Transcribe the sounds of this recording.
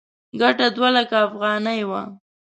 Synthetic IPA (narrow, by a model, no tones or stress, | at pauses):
ɡaʈad̪walakaːfɣɑnajwa̰